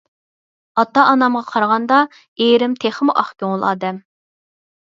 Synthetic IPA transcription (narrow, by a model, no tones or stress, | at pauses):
ɑt̪ɑʔːnɑmʁɑqʰɑɾʁɑnd̪ɑ | eɾɪmt̪ʰeχmuʔɑ̰χkʲoŋəlˠɑːd̪ɛm